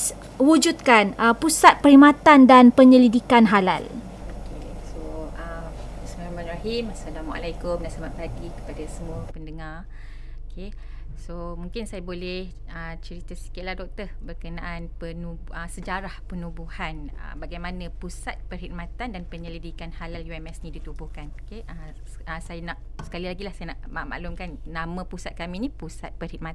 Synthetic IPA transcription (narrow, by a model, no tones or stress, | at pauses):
wud͡ʒut̪̚kanəpusat̪̚pəɾhimat̪andanpəɲəlidikanɦala̰l | okesoəbismiahmãnraɦimasalamaʔa̰lajkʊmdaslamat̪̚paɡikə̥padasəmũəpəndəŋar | okʰe | somũŋkɪnsajabolɛh | ət͡ʃəɾit̪asi̥kɪt̪̚lahdɔk̚t̪ərbərkənaʔanpənubʔəsəd͡ʒaɾahpənũbuhanə̰baɡajmãnə̃pusat̪̚pərɦid̪̚mat̪andanpəɲələdikanhalaljuɛmɛsnĩdit̪ubʊhkanokeə | əsajanaʔ | sə̥kalilaɡilahsajanaʔmaʔma̰ʔlumkanːãmə̃pusat̪̚kamĩnĩpusat̪̚pərhid̪̚ma